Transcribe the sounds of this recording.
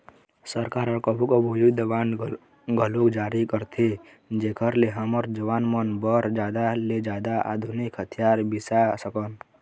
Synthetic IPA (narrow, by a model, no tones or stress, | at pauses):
səɾkaːɾəɾkəbʱukobʱujid̪əʋan | ɡʱəlokd͡ʒaːɾikəɾt̪ʰe | d͡ʒekʰəɾleɦəməɾd͡ʒəʋaːnmənbəɾd͡ʒaːd̪aled͡ʒaːd̪aʔa̰d̪ʱunikɦət̪ʰijaːɾbɪsasəkən